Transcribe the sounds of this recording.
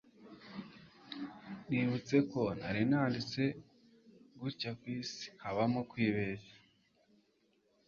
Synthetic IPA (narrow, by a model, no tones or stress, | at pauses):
niβut͡se̞ko̞naɾinaːndit͡se̞ | ɡuɾcakwiːsi̥haβamokwiːβe̞zḁ